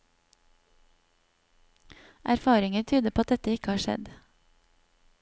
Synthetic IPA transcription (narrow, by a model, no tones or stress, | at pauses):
ʔæɾfɑːɾɪŋəɾt̪ʰyːd̪əpoːɑt̪̚d̪ɛt̪əɪkəhɑːʃɛ̰d̪